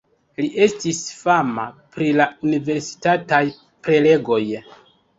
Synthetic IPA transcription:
liʔe̞stisfama̰pɾilaunive̞ɾsi̥tataj | pɾe̞le̞ɡo̞j

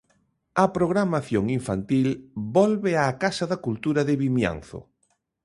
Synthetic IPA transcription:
ɐpɾoɣɾamaθjoŋiɱfant̪ilbɔlβeakasaðakult̪uɾaðɪβimja̰nθʊ̰

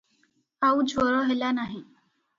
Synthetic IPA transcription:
awd͡ʒʱɔɾɔɦelanaɦĩ

